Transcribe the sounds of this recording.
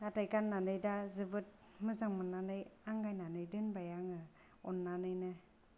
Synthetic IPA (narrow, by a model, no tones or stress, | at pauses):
natajkanːanɯjdazɯbɯt̚ | mɯzaŋmɯnːanɯjaŋɡajnanɯjdɯnbajaŋɯ | ɔnːanɯjnɯ